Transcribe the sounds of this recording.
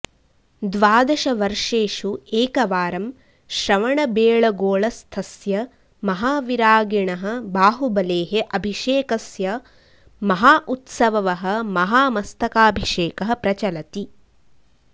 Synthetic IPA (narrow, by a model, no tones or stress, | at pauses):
d̪ʋaːd̪ɐʃɐʋɐɾʂeːʃueːkɐʋaːɾɐm | ʃɾɐʋɐɳɐbeːɭɐɡoːɭɐst̪ʰɐsjɐ | mɐɦaːʋiɾaːɡiɳɐɦɐ̆baːɦubɐleːɦeʔɐbʱiʃeːkɐsjɐ | mɐɦaːʔut̪sɐʋɐʋɐɦɐ̆mɐɦaːmɐst̪ʰɐkaːbʱiʂeːkɐɦɐpɾɐt͡ʃɐlɐt̪i